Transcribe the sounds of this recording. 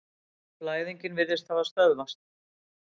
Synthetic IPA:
plaːjðiɲcɪnvɪðɪst̪θaðast̪œðmast̪

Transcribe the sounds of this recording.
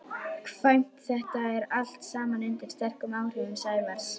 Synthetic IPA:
kʰv̥ajm̥t̪θɛht̪aɛɾal̥t̪saːmanɪnt̪ɪɾ̥st̪ɛr̥kʏmaːwr̥ʏvʏmsaːjvaɾ̥s

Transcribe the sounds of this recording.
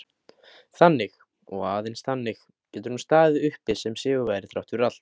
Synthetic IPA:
θanːɪx | ɔɣaːðejnsθanːɪx | cɛːt̪ʏɾnust̪aːðɪʏhpɪsɛmsɪːɣʏvaːjɾɪθɾawht̪ʏrat̪l̥t̪

